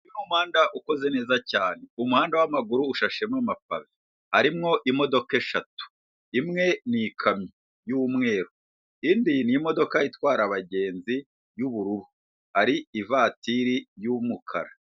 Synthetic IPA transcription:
inumhaːndaʔuko̞ze̞ne̞ːzacaːne̞umuhaːndawamaɡuɾuːʃaʃe̞mŋamafa̰βi | haɾimŋo̞ʔimo̞do̞ke̞ʃatu̥ | imŋe̞nikʰami | juːmŋe̞ːɾo | indinimo̞do̞kaitwaːɾaβaɟe̞ːnzi | juβuɾuɾu | haɾiivaːtiɾijumukʰa̰ɾa

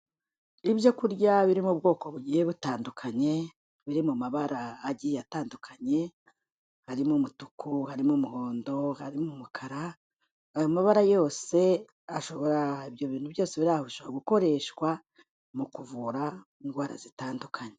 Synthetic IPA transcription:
iβjo̞kuɾjaβiɾimub̚ɡo̞ːko̞βuɟihe̞βutaːndukʰaɲe̞ | βiɾimumaβaɾaːɟijataːndukʰaɲe̞ | haɾimumutu̥kuhaɾimumuho̞ːndo̞haɾimumukʰaɾa | ajomaβaɾajo̞ːse̞ | aʃo̞βo̞ɾaiβjo̞βiːn̥huβjo̞ːse̞βiɾahoβiʃo̞βoɾaɡuko̞ɾe̞ːʃkwa | mukuvuɾa | iŋɡwaːɾa̰zitaːndukʰaɲe

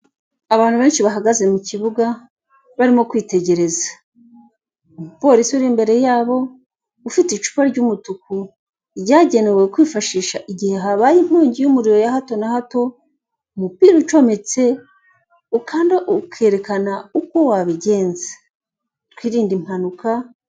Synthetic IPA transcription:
aβaːn̥huβe̞ːnʃiβaɦaɡaze̞muciβuɡa | βaɾimo̞kwiːte̞ɟe̞ɾe̞zḁ | mupo̞ɾisiuɾimbe̞ɾe̞jaːβo̞ | ufitit͡ʃu̥paɾɟumutuku | ɟaːɟe̞ne̞wekwiːfaʃiːʃaʔiɟihe̞ɦaβajim̥uːɲɟijumuɾiɾo̞jahato̞nahato̞ | mupiːɾut͡ʃo̞met͡se̞ | ukʰaːndeʔukʰe̞ɾe̞kanauko̞waβiɟe̞ːnze̥ | twiːɾiːndim̥hanuka

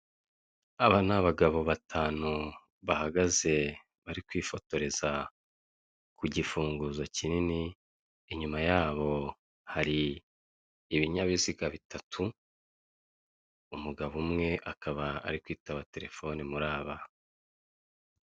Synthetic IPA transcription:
aβanaβaɡaβo̞βatʰaːnu | βahaɡaze̞ | βaɾikwiːfo̞to̞ɾe̞za | kuɟifuːŋɡuzo̞cinini | iɲumajaːβo̞ | haɾi | βiɲaβiziɡaβitʰatʰu | umuɡaβumŋe̞ʔakaβaa̰ɾikwiːtaβate̞ɾe̞fo̞nimuɾaːβa

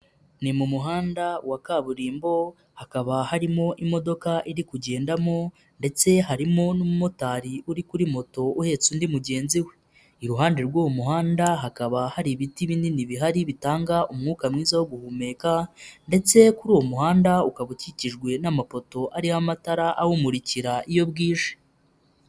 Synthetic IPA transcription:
nimumuɦaːndawakaβuɾiːmbo̞ | hakaβahaɾimo̞ʔimo̞do̞kaʔiɾikuɟe̞ːndamo̞ | nde̞t͡se̞ɦaɾimo̞nomumo̞taɾiʔuɾikuɾimo̞to̞uhe̞ːt͡suːndimuɟe̞ːnziwe | iɾuɦaːndeɾɡoːwomuɦaːndaɦakaβahaɾiβitiβininiβiɦaɾiβitaːŋɡaʔumŋuːkamŋiːzawoɡuhuːme̞ːkande̞t͡se̞kuɾuːwo̞muhaːndaukaβuciciʒɡwe̞namapo̞to̞ʔaɾihamataɾaʔawumuɾiciɾaʔijo̞bɡiːʃe̥

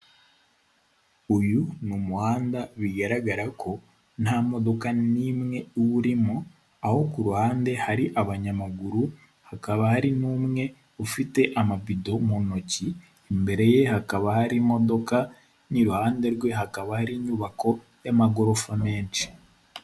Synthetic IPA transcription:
ujunumuhaːndaβiɡaɾaɡaɾakʰo̞ | nhamo̞do̞kanimŋe̞uβuɾimo | aho̞kuɾuhaːnde̞haɾiʔaβaɲamaɡuɾu | hakaβahaɾinuːmŋe̞ | ufite̞ʔamabido̞muno̞ci | embe̞ɾe̞je̞hakaβahaɾimo̞do̞ka | niɾuhaːnde̞ɾɡwe̞ɦakaβahaɾiɲuβako̞ | jamaɡo̞ɾo̞fame̞ːnt͡ʃi̥

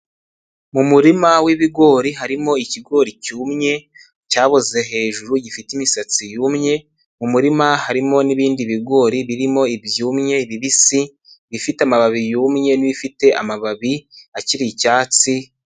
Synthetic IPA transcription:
mumuɾimawiβiɡo̞ːɾiɦaɾimo̞iciɡo̞ːɾicuːmɲe̞ | caːβoze̞ɦe̞ːʒuɾuɟifitimisat͡sijuːmɲe̞ | mumuɾimahaɾimo̞niβiːndiβiɡo̞ːɾiβiɾimo̞ibjuːmɲe̞βiβisi | βifiteamaβaβijuːmɲe̞niβifite̞ʔa̰maβaβiaciɾicaːt͡si

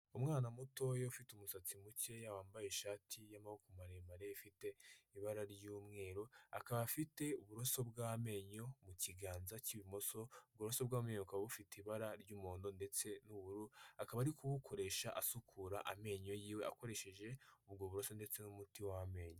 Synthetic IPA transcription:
umŋaːnamuto̞joufitumusat͡simuce̞jawaːmbajeʃaːtʰijamahukumaɾemaɾeifite̞iβaɾaɾɟuːmŋe̞ːɾoa̰kaβafite̞uβuɾo̞so̞bɡaːame̞ːɲo̞muciɡaːnzaciβimoso̞b̚ɡuɾoso̞bɡaːmeɲokaβaβufiteiβaɾaɾɟuːmoːndo̞nde̞t͡se̞nuβuɾuakaβaɾikuβukʰo̞ɾe̞ʃaʔasukʰuɾaʔa̰me̞ɲo̞jiːwe̞a̰ko̞ɾe̞ʃe̞ʒe̞ubɡoβuɾoso̞nde̞t͡se̞numutiwaame̞ːɲo

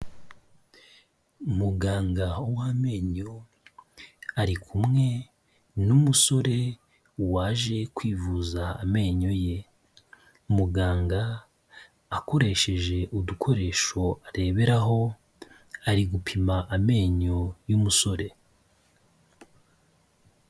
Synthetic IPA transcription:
umuɡaːŋɡaowaːme̞ːɲo̞ | aɾikʰumŋe̞ | numuso̞ɾe̞ | waːʒe̞kwiːvuzaame̞ːɲo̞je̞ | umuɡaːŋɡaː | ko̞ɾe̞ʃe̞ʒe̞ʔudukʰo̞ɾe̞ːʃo̞ʔaɾe̞ːβe̞ɾaɦo̞ | aɾiɡupʰimaʔame̞ːɲo̞jumuso̞ɾe̞

